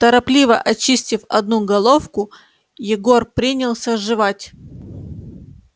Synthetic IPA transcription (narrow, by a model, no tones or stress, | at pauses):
t̪əɾɐplʲivə̰ʔɐt͡ɕisʲtʲɪfɐ̰d̪nuɡɐlˠo̞fkʊ | jɪɡo̞rpɾʲinʲɪlˠsʲəʐɨvatʲ